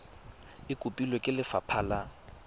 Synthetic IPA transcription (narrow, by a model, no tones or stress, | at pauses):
ɪkʼʊpʼilɔkʼɪlɪfa̰pʰaːla